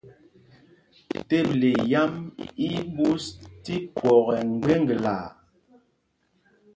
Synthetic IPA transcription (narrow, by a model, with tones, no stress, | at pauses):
te˦ble˨ja˦mi˦bu˦sti˦kwɔ˨ɣɛ˨ŋ̩˨ɡe˦ŋ˦ɡe˨la̰˨